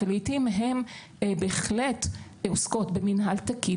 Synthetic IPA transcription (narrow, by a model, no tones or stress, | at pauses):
alitimɦem | beeχlet | osko̞tbeminɦaltaki